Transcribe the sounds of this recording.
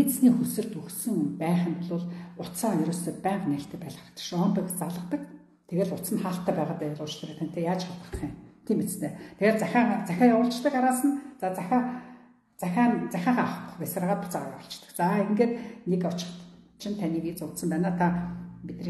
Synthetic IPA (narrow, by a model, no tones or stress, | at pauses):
it͡ssniːxusɘ̆rt̪uxsɘ̆ŋpæːχʲɪ̆mt̪ɮʊːɮʊt͡saːjɵɾɵːseːpæːɴqnæːɬt̪ʰĕːpæːɮʁə̆t̪ə̥̆ʃɔnt̪ʊkʲt͡saɮə̆t̪ə̆k | t̪ʰeɣeːɮʊt̪sə̆nχaːɬt̪ːæːpæːʁaːt̪æjʊɮʊːt͡ɕɮ̆rĭt̪ʰæn̥ʰʲt̪eːjaːt͡ɕχat̪ə̆χt̪̆χiːmt̪ʰiːmet͡st̪ʰeːt̪ʰeɣeːt̪t͡sæxʲaːt͡sæxʲaːjawʊːɬt͡ɕt̪ə̆kaɾaːsə̆nt͡sat͡sæxʲa | t͡sæxʲaːnt͡sæxʲaːʁaːχə̥̆pə̥̆χpæsraʁaːt̪pɔt͡saʁja̰wʊ̆t͡ɕt̪ə̥̆kt͡saeŋɡeːt̪nekɔt͡ɕɪ̥̆χt̪t͡ɕʰint̪ʰaniːkiːt͡sʊt̪sə̆mpænaːt̪ʰapit̪riː